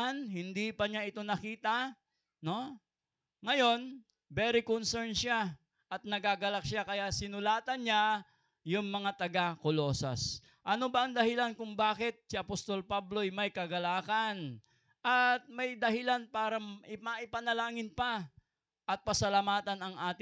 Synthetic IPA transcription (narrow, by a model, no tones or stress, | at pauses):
nhɪnd̪ipɐɲaʔɪt̪o̞nɐkiːt̪ɐ | no̞ | ŋɐjo̞n | bɛɾɪkonsɛɹnʃa | ʔɐt̪̚nɐɡaɡɐlak̚ʃakɐjasɪnʊlaːt̪ɐnɲa | jʊŋmɐŋat̪ɐɡakolo̞ːsɐa̰s | ʔɐno̞bɐʔɐŋd̪ɐhɪlankʊŋbaːkɪt̪̚sɪʔɐpost̪o̞lpablo̞jmɐjkɐɡɐlaːkɐn | ʔɐt̪̚mɐjd̪ɐhɪlanpaːɾɐʔɪmɐʔɪpɐnɐlaːŋɪnpa | ʔɐt̪̚pɐsɐlamaːt̪ɐnɐŋʔaːt̪ɪ